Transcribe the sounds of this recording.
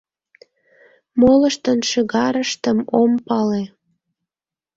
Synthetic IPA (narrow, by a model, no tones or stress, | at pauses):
moləʃt̪ənʃəɣɑɾəʃt̪əmompɑle